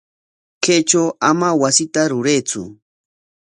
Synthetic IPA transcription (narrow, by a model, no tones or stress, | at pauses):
kejt͡ʃawamawasɪt̪aɾʊɾejt͡sʊ̰